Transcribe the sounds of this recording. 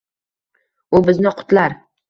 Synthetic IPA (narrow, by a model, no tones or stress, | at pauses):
ʊbɪznɪqʰʊ̥t̪laɾ